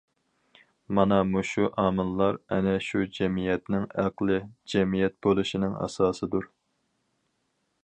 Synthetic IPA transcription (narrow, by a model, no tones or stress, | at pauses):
mɑnɑmuʃuʔɑːmɨnlˠɑɾɛnɛʃud͡ʒɛmijɛt̪nɪŋæqlˠɨd͡ʒɛmijɛt̪̚bolˠuʃinɪŋɑ̰sɑːsɨd̪uɾ